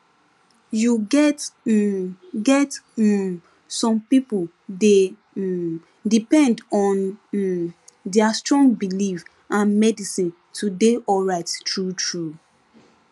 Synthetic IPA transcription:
juɡɛt | ɡɛt | sɔ̃mpipu | de | dipɛ̃ndɔ̃n | dɛastɹɔ̃ŋɡ̚bilif | ãnmɛdisĩn | tʰudeʔɔɹaɪttɹutɹu

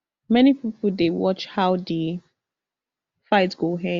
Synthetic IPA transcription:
mɛnipipl̩ˠdewɔt͡ʃhaʊdi | faɪtɡ̥oɦɛ̃

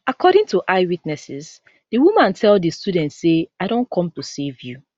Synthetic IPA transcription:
akʰɔɾɪ̃ŋtuʔaɪwitnɛsɪz | diwumãntʰɛlˠdistudɛ̃ntseaɪdõnkʰɔ̃mtusevju

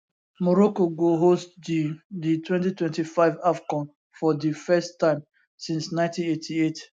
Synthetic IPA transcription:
mɔɹɔkoɡoɦostdiditwɛ̃ntitwɛ̃ntifaɪvafkɔ̃n | fɔdifɛstːãɪ̃m | sĩnsnãɪ̃ntĩnetʰiet

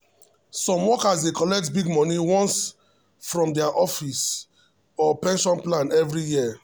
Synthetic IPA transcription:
sɔ̃mwɔkasdekɔlɛk̚tbiɡmɔniwɔ̃ns | fɹɔ̃mdɛaʔɔfis | ɔpɛ̃nʃɔ̃nplãnɛvɹijiə

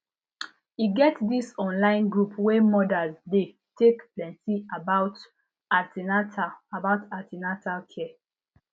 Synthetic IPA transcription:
iɡɛtdisɔ̃nlãɪ̃nɡɹupwemɔdazde | tekplɛ̃ntiabat | atinataabaʊtatinatalkʰɛ

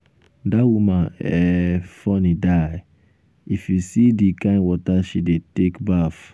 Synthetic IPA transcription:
dawumãnɛfɔnidaj | ifisidikãɪ̃nwɔtaʃidetekbaf

